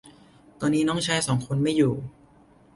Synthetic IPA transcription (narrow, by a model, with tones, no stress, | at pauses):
t̪ɔː˧nːiː˦˥nɔː˦˥˩ŋt͡ɕʰaː˦˥˩jsɔː˩˦ŋkʰo˧nma˥˩jːuː˨˩